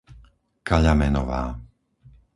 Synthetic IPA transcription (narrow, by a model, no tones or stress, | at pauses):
kaʎamɛnɔ̰ʋaː